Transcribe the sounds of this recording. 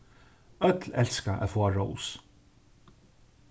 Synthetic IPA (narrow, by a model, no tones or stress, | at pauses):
œt̪lɛlskaʔæ̰ðfoːaɹows